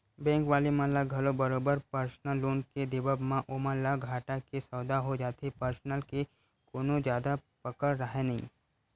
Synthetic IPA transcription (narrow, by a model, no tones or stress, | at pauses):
bɛ̃ːŋkʋaːlimãlaɡʱɐlobɐɾoːbəɾpəɾsnəlːoːnked̪ɪbəbmãʔoːməlaɡʱaːʈakesɐːd̪aɦod͡ʒaːt̪epəɾsnəlke | koːnõd͡ʒjaːd̪apəkəɾːɐɦenɐɦḭ̃ː